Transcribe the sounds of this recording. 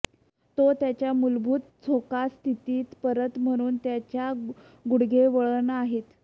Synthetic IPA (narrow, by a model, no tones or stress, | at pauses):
t̪ot̪jat͡ɕjamulbʱuːt̪̚t͡sʰokast̪ʰit̪iːt̪pəɾət̪m̤əɽ̃uːnt̪jat͡ɕja | ɡuɽɡʱeʋəɭənaɦet̪